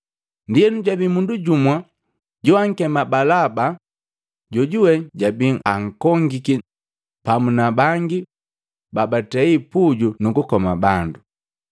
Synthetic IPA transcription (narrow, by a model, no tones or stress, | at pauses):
ndijɛnuɟabimunduɟumwa | ɟuaŋ̩kɛmabalaba | ɟɔɟuwɛɟabiŋaŋ̩kɔŋɡiki | pamunabaŋɡi | babatɛipuɟunukukɔmabandu